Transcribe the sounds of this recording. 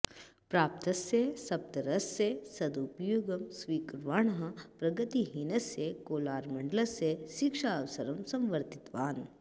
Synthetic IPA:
pɾaːp̚t̪ɐsesɐb̚t̪ɐɾɐsːesɐd̪upjoːɡɐmsʋiːkɾʋaːɳɐɦɐpɾɐɡɐt̪iɦinɐsjekoːlaːɾmɐɳɖlɐseʃikʃaːʋɐsɐɾɐmsɐ̃mʋɐɾt̪it̪ʋaːn

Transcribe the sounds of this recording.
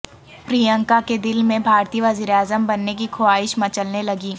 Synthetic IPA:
pɾiːjə̃ŋkaked̪ɪlmẽbʱaːɾt̪ijəʋɐziːɾeaːzəmbɐnːek̬ikʰoaːɪʃmɐt͡ʃəlnelɐɡiː

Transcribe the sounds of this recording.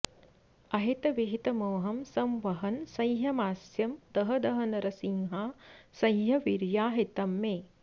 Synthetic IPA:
ɐɦit̪ɐʋiɦit̪ɐmoːɦɐmsɐmʋɐɦɐnsɐjɦɐmaːsjɐmd̪ɐɦɐd̪ɐɦɐnɐɾɐsiŋɦaːsɐjɦɐʋiɾjaːɦit̪ɐmːeː

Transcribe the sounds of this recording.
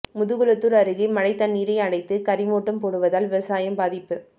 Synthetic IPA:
mʊðɯɣɯɭɯt̪ːɯɾɐɾɯɣimɐɻɐɪt̪ːɐnːiːɾɐɪɐɽɐɪt̪ːɯkɐɾɪmoːʈːɐmpoːɽɯʋɐðaːlʋɪʋɐsaːjɐmbaːðɪpːɯ

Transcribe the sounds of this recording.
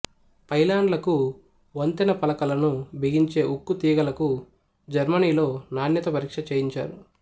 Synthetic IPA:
pɐjlaːɳɖlɐku | ʋɐnt̪inɐpɐlɐkɐlɐnubʱiɡiɲt͡ʃe̞ːʔukːut̪iːɡɐlɐku | d͡ʒɐɾmɐniːlo̞ːnaːnjɐt̪ɐpɐɾiːkʂɐt͡ʃeːjiɲt͡ʃa̰ːɾu

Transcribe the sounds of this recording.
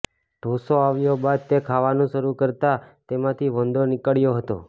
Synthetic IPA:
ɖ̪̥ʱosoaʋjobad̪̚t̪ekʰaʋanũʃəɾukəɾt̪at̪emãt̪ʰiʋənd̪ʱonɪkəɭjoɦət̪o̰

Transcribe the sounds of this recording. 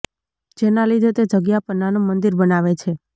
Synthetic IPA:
d͡ʒenalid̪ʱet̪ed͡ʒəɡjapənanũmənd̪iɾbənaʋet͡ʃʰe

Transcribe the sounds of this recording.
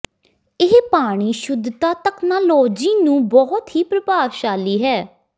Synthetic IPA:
ɪɦpaːɽ̃iːʃʊd̪ʱt̪aːt̪ɛknaːloːd͡ʒiːnũːbɔɦt̪ɦiːpɾəpaːʋʃaːliːɦɛː

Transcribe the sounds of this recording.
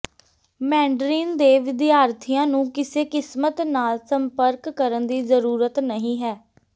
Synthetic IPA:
mɛ̃ːɳɖɾiːnd̪eːʋɪd̪ɪjaːɾt̪ʰijãːnũːkɪseːkɪsmət̪naːlsəmpəɾkːəɾənd̪iːzəɾuːɾət̪nəɦĩːɦɛː

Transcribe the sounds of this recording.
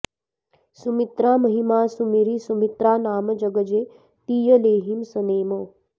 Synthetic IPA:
sumit̪ɾaːmɐɦimaːsumiɾisumit̪ɾaːnaːmɐd͡ʒɐɡəd͡ʒeː | t̪iːjəleːɦimsɐneːmoː

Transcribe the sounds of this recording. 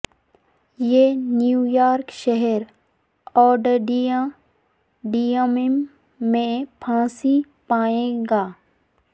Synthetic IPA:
jeːnjuːjaːɾkʃɛɦɛɾ | ɔːɖəɖi | ɖijamɪmː | ẽpʰãːsi | paːẽːɡaː

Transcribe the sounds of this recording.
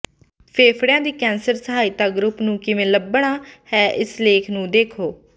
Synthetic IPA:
pʰeːpʰɽjãːd̪iːkɛ̃ːnsəɾsəɦaːiːt̪aːɡɾʊpnũːkɪʋẽːləbɳ̃aːhɛːʔɪsleːkʰnũːd̪eːkʰoː

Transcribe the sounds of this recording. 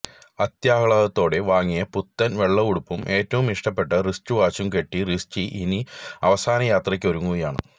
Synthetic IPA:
ɐt̪jaːkɐɭɐɣɐt̪ːo̞ːɽe̞ʋaːŋːijɐput̪ːɐnʋeɭːɐuɽupːumʔe̞ːtːɐʋumiʂʈɐpːe̞ʈːɐrist͡ɕuʋaːt͡ɕːumke̞ʈːirist͡ɕiʔiniɐʋɐsaːnɐjaːt̪rɐk̬ʲːʋɐɾuŋːuɣɐjaːɳɨ̰

